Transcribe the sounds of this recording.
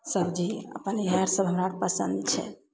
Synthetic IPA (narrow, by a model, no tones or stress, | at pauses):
səbd͡ʒiə̰pənɦɛɾsəbɦəmɾaɽpəsə̰nd̪t͡ʃʰɛ̰